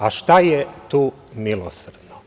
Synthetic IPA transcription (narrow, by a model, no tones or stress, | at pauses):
aʃt̪ajet̪uː | milo̰sr̩d̪no